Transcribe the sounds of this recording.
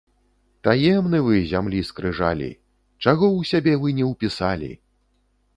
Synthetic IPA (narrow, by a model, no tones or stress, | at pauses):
t̪ajɛmnɨvɨzʲamlʲiskɾɨʐa̰lʲḭ | t͡ʂaɣɔwsʲabʲɛvɨnʲɛwpʲisalʲḭ